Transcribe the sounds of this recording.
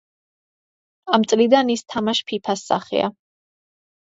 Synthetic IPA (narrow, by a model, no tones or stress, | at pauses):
amt̪sʼlid̪anist̪ʰamaʃpʰipʰasːa̰χɛ̰a̰